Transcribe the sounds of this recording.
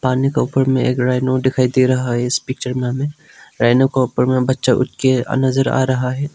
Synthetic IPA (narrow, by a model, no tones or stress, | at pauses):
paːnikaʊpəɾmẽeːkɾaːɪnod̪ɪkʰaːid̪iɾɐɦaɦɛɪspiːk̚t͡ʃəɾmẽɦɐmẽ | ɾaːɪnokaʊpəɾmẽbɐtːʃaʔʊ̰ʈkea̰nɐzəɾa̰ːɾɐɦaɦɛː